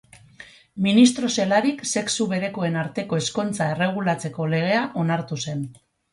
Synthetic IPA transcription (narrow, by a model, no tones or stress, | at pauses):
minist̪ɾo̞se̞laɾikse̞ksuβe̞ðe̞ko̞e̞naɾt̪e̞ko̞e̞sko̞nt͡sae̞re̞ɣ̞ulat͡se̞ko̞le̞ɣ̞e̞aʔo̞naɾt̪use̞n